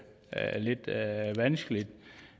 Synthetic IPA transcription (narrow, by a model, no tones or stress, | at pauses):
le̝d̥ʋænsɡ̥əlid̥